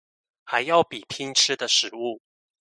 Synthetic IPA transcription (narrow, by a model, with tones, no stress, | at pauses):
xa˧˦ɪjɑ˥˩ʊpi˨˩pʰi˥ŋʈ͡ʂ̩ʰ˥d̪ə˨ʂɻ̩˨˩˦u˥˩